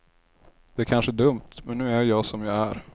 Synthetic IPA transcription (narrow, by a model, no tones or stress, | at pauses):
d̪̥ɛækʰanʂəd̪ɵmt̪mɛnːʉ̟ːæɾjɑːɡsɔmjɑːæɾ